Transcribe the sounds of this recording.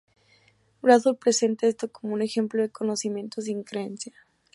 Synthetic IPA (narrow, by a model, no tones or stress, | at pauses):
bɾasulpɾe̞se̞nt̪aest̪o̞ko̞moune̞xe̞mploðeko̞no̞simjent̪ozeiŋkɾeensja